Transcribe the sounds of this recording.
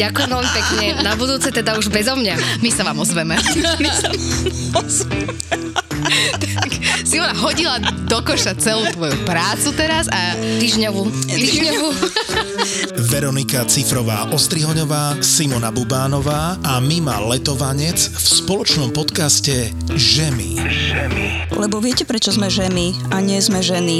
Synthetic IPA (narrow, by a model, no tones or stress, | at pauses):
ɟakujɛmʋɛlmipɛkɲɛnabud̪uːt͡sɛt̪ɛd̪auʒbɛzɔmɲamisaʋaːmɔzʋɛmɛ | t̪aksimɔnaɦɔɟilad̪ɔkɔʃat͡sɛluːt̪ʋɔjupɾaːt͡sut̪ɛɾazat̪iːʒɲɔʋut̪iːʒɲɔʋu | ʋɛɾɔnikat͡sifɾɔʋa̰ːʔɔst̪ɾiɦɔɲɔʋaːsimɔnabubaːnɔʋaːamima̰lɛt̪ɔʋaɲɛt͡sfspɔlɔt͡ʃnɔmpɔt̪kascɛ | ʒɛmḭʒɛmilɛbɔʋɪɛcɛpɾɛt͡ʃɔzmɛʒɛmi | aɲɪɛzmɛʒɛni